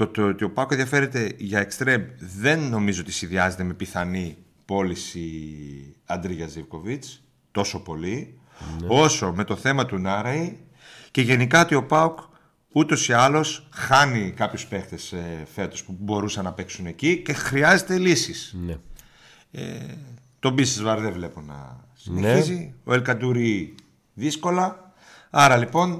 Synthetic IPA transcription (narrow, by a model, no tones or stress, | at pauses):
ot̪ot̪io̞pɐukeðijɐfe̞ɾe̞t̪e̞ʝɐekst̪ɾemðe̞nːo̞mizoo̞t̪i̥sinðiɐze̞t̪e̞me̞piθɐni | po̞lisi | ɐnd̪ɾiʝɐzivko̞vit͡s | t̪o̞so̞po̞li | o̞so̞me̞t̪o̞θe̞mɐt̪unɐɾɐi | ce̞ʝe̞nikɐot̪io̞pɐuk | ut̪o̞siɐlo̞sxɐnikɐpçuspe̞xt̪esfe̞t̪o̞spubo̞ɾusɐnːɐpe̞ksune̞cice̞xɾiɐze̞t̪e̞lisis | ḛ | t̪o̞bist̪ezvɐɾðevle̞po̞nɐ̰ | sineçizio̞elkɐd̪uɾi | ðisko̞lɐ | ɐɾɐlipo̞n